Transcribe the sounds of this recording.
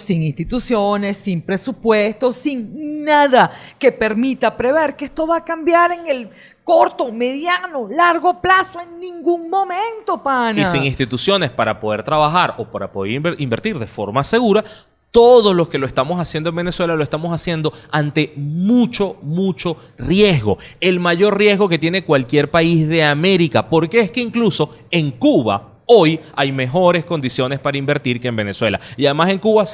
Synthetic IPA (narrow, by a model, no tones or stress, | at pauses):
siŋinst̪it̪usjo̞ne̞sːimpɾe̞supwe̞st̪o̞siŋnaðake̞pe̞ɾmit̪apɾe̞βe̞ɾkeest̪o̞βaːkambjaɾe̞ŋe̞l | ko̞ɾt̪o̞me̞ðjano̞laɾɣo̞plasoeŋnĩŋɡuŋmo̞mẽnt̪o̞paniasiŋinst̪it̪usjo̞ne̞spaɾapoð̞e̞ɾt̪ɾaβaxaɾo̞paɾa̰poðḛɾimbe̞ɾt̪iɾðe̞fo̞ɾmase̞ɣuɾa | t̪o̞ðo̞slo̞ske̞loe̞st̪amo̞sasjend̪oẽmbeneswe̞laloest̪amo̞sasje̞nd̪o̞ant̪e̞mut͡ʃo̞mut͡ʃo̞ | rje̞zɣo̞e̞lmaʝo̞rrje̞zɣo̞ke̞t̪je̞ne̞kwalkje̞ɾpaizðe̞ame̞ɾikapo̞ɾke̞eske̞iŋkluso̞e̞ŋkuβa̰ | o̞jajme̞xo̞ɾe̞sko̞nd̪isjo̞ne̞spaɾaimbe̞ɾt̪iɾke̞eːmbe̞ne̞swe̞la̰iaðe̞mase̞ŋkuβa